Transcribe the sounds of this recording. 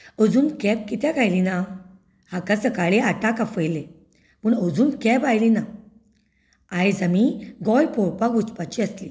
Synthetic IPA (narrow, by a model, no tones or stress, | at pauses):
əd͡zuːnkɛ̃p̚kit̪ɛ̃ɡajlina | hakasəkaɭeaʈakafəjle | məɳəd͡zumkɛ̃bajlina | ajd͡zamiɡɔjpɔɾpakut͡spat͡ɕiasli